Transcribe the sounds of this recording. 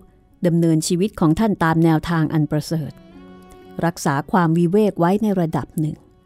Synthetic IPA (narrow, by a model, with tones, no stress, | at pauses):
da˧mnɤː˧nt͡ɕʰiː˧wi˦˥t̪̚kʰɔː˩˦ŋt̪ʰa˥˩nt̪aː˧mnɛː˧wt̪ʰaː˧ŋʔa˧npɾa˧sɤː˨˩t̪̚ | ɾa˦˥k̚saː˩˦kʰwaː˧mwi˦˥weː˥˩k̚wa˦˥jna˧jɾa˧da˨˩p̚nɯ˨˩ŋ